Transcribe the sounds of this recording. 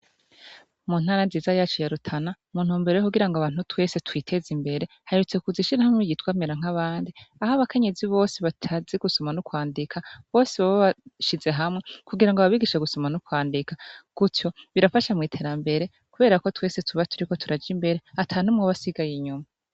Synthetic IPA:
mun̥haːɾanziːzajaːt͡ʃojaɾutʰana | muːn̥huːmbe̞ɾojokuɡiɾaŋɡoaβaːn̥hutwe̞ːse̞twiːtʰe̞zimbe̞ɾe̞ | haeɾut͡se̞kuziʃiɾahamŋweɟitwaːmeɾaŋ̥aβaːndiahaβakʰe̞ɲe̞ziβo̞ːseβatʰaziɡusomanukwaːndikʰaβo̞ːseβaβaβaʃize̞ɦamŋe̞kuɡiɾaŋɡoβaβiɡiʃeɡusomanukwaːndikaɡ̥uto̞βiɾafaʃamŋiːtʰe̞ːɾambe̞ɾe̞ | kuβe̞ːɾako̞twe̞ːse̞tʰuβatʰuɾiko̞tʰuɾad͡ʒimbe̞ɾe̞atʰanumŋoβasiɡajiɲuma

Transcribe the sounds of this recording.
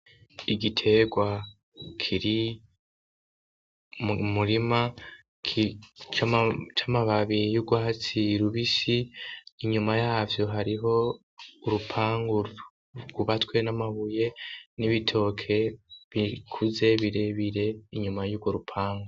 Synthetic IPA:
iɡitʰe̞ɡwa | kʰiɾi | muɾima | kʰit͡ʃat͡ʃamaβaβijuɡwaat͡siɾuβisiːɲumajaːvjo̞ɦaɾiɦo̞ | uɾupʰaːŋɡu | ɡuβatwe̞namaβuje̞niβitʰo̞kʰe̞βikʰuze̞βiɾe̞βiɾe̞iɲumajuɡwo̞ɾupʰaːŋɡo

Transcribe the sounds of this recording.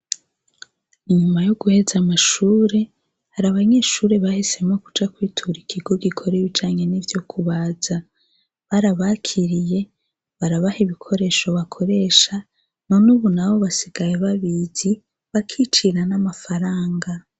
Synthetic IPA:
iɲumajoɡuhe̞zamaʃuːɾe̞ | haɾaβaɲeːʃuːɾe̞βahise̞mokud͡ʒakwiːtʰuɾikʰiɡo̞ɡikʰo̞ɾeβid͡ʒaːɲe̞nivjo̞kʰuβaz̥a | βaɾaβakʰiɾije̞ | βaɾaβahiβikʰo̞ɾe̞ːʃo̞βakʰo̞ɾe̞ʃa | no̞nuːβunaβo̞βasiɡ̥ajeβaβizi | βakʰit͡ʃiɾanamafaɾaːŋɡa

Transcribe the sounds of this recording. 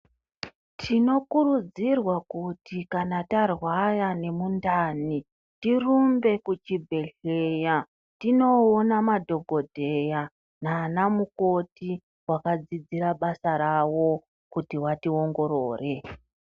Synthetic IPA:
tʰino̞kuɾud͡zirwakutikanatarwajane̞mundaːni | tirumbe̞kut͡ʃibʱe̞ɮeja | tino̞ːnamadʱo̞ɡʱo̞dʱe̞ja | nanamuko̞ti | wakad͡zid͡ziɾaɓasaɾawo̞ | kutiwatio̞ŋɡo̞ɾoːre̞

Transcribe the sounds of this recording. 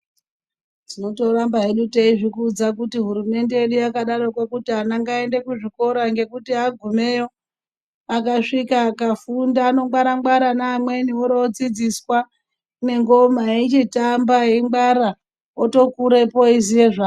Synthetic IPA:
d͡zino̞to̞ɾambaɦeɗuteiʐikuːd͡zak̬utiɦuɾume̞nde̞jeɗujakaɗaɾo̞kwekutianaŋɡae̞nde̞kuʐiko̞ɾaŋɡe̞kutiaɡʱume̞jo | akaʂikaːkafundaːno̞ŋɡwaɾaŋɡwaɾanaːmwe̞nioɾood͡zid͡ziswa | ne̞ŋɡo̞mait͡ʃitambaɦeŋɡ͡baɾa | oto̞kuɾe̞po̞izije̞ʐaː

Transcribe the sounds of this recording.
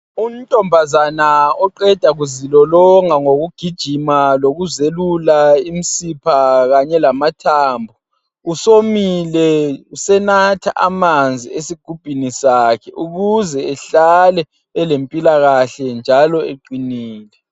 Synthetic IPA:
um̩tʼɔmbʱazanaɔǃɛd̥ʱaɣuzilɔlɔŋaŋoɣuɡ̥ʱid̥ʒ̥ʱimaloɣuzelulaimisipʰaɣaɲɛlamatʰaːmbʱu | usomilɛusɛnatʰa̰ʔa̰mand͡zʱḭesiɡ̥ʱub̥ʱinisakʰɛʔuɣuzɛːɬalɛ | ɛlempʼilaɣaɬɛnd͡ʒʱalɔeǃiniːlɛ

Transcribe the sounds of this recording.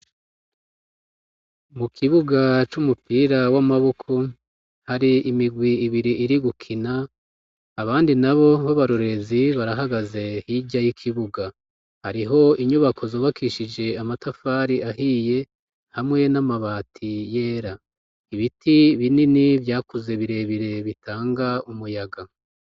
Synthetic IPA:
mukʰiβuɡat͡ʃumupiːɾawamaβo̞kʰo̞ | haɾiimiɡwiːβiɾiiɾiɡukʰinaː | βaːndinaβo̞βaβaɾuɾe̞ziβaɾaɦaɡaze̞hiɟajikʰiβuɡa | haɾiɦo̞iɲuβakʰo̞zoːβakʰiʃid͡ʒe̞amatafaːɾiahiːje̞ | hamŋe̞namaβaːtʰije̞ːɾa | iβitʰiβininivjaːkuze̞βiɾe̞βiɾe̞βitʰaːŋɡaumujaɡa

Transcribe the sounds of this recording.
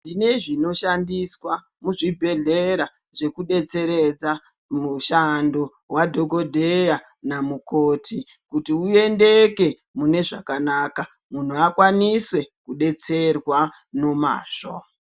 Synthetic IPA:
ndine̞ʐino̞ʃandiswa | muʐibʱe̞ɮe̞ɾa | ʐe̞kuɗe̞t͡se̞ɾe̞d͡za | muʃando̞ | wadʱoko̞dʱeja | namuko̞ːtʰi | kutiue̞nde̞ke̞ | mune̞ʐakanaka | mun̤uakwaniswe̞kuɗe̞t͡se̞rwa | no̞ma̰ːʂo

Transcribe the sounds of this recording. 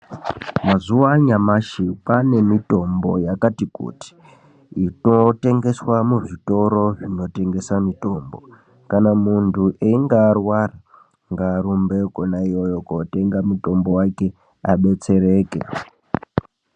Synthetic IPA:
mazuwaɲamaʃipane̞mito̞mbo̞̰jakatikṵti̥ | ino̞te̞ŋɡe̞swamuʐito̞ɾo̞ʐino̞te̞ŋɡe̞samito̞mbo̞̰ | kanamuntʰuʔeiŋɡaːrwara | ŋɡaːɾumbekonaijo̞jokote̞ŋɡamuto̞mbowake̞ | aɓe̞t͡se̞ɾe̞ːkḛ

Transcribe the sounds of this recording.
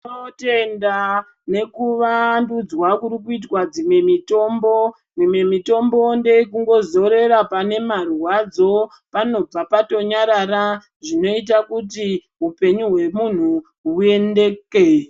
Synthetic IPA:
ote̞nda | ne̞kuʋandud͡zwakuɾikuitwad͡zimwe̞mito̞mbo̞ | mimwe̞mito̞mbo̞nde̞ikuŋɡo̞zo̞ɾe̞ɾapane̞marwad͡zo̞ | pano̞b͡vapato̞ɲaɾaɾa | ʐino̞it̬akuti | ɦupe̞ɲuɦwe̞mun̤u | ɦue̞ndeke

